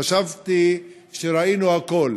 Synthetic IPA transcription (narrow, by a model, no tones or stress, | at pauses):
aʃavt̪i | ʃeɾainuako̞l